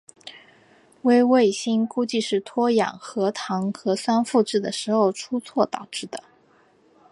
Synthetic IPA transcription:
we˥ɪwe˥˩ɪɕi˥nku˥t͡ɕi˥˧ʂɻ̩˥˩t̪ʰwɔ˥jɑ̰˨˩ŋxɤ˧˥t̪ʰɑ˧˥ŋxɤ˧˥swa˥nfu˥˧ʈ͡ʂɻ̩˥˩d̪ə˩ʂɻ̩˧˥xo˥˧ʊʈ͡ʂʰu˥t͡sʰwɔ˥˩t̪ɑ˨˩ʊʈ͡ʂɻ̩˥˩d̪ə˩

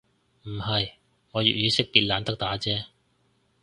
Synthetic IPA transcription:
m̩˨˩hɐ˨j | ŋɔː˨˧jy̰˨˩jyː˨˧sɪ˥k̚piː˧t̚laː˨˧nt̪ɐ˥k̚t̪aː˨˥t͡sɛː˥

